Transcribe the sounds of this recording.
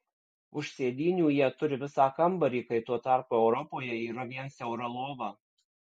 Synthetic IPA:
ʊʃʲsʲeːd̪ʲiːnʲuːjiɛt̪ʊɾʲɪʋʲɪsɑːkɐmbɐɾʲiːkɐɪt̪uɔt̪ɑˑɾpuːɛʊɾɔpoːjɛiːɾɐʋʲiɛnsʲɛʊɾɐlˠoːʋɑː

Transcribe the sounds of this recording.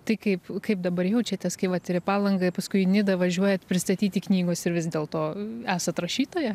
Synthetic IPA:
t̪ɐɪkɐɪpkɐɪpd̪ɐbɐɾjɛʊt͡ʃʲɛt̪ʲɛskɐɪʋɐt̪ɪɾʲɪpɑːlˠɐŋɡɐpɐskʊɪnʲɪd̪ɐʋɐʒʲuɔjɛt̪pʲɾʲɪst̪ɐt̪ʲiːt̪ʲiknʲiːɡoːsɪɾʋʲɪsd̪ʲeːlˠt̪oːæːsɐt̪ɾɐʃʲiːt̪oːjɛ

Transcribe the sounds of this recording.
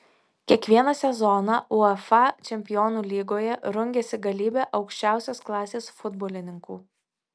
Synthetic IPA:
kʲiɛkʋʲiɛnɐsʲɛzɔːnɑʔʊɛfɑt͡ʃʲɛmʲpʲɪjoːnuːlʲiːɡoːjɛɾʊŋʲɡʲeːsʲɪɡɐlʲiːbʲɛːʔɒʊkʃʲt͡ʃʲæˑʊsʲoːsklˠɑːsʲeːsfʊd̪boːlʲɪnʲɪŋkuː

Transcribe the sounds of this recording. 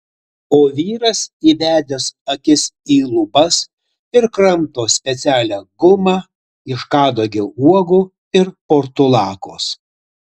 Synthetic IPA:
oːʋʲiːɾɐsiːʋʲæːd̪ʲesɐkʲɪsiːlˠʊbɐs | ɪɾkɾɐmt̪oːsʲpʲɛt̪sʲæːlʲæːɡʊmɑ | ɪʃkɑːd̪oːɡʲɪuɔɡuː | ɪɾpoɾt̪ʊlˠɑːkoːs

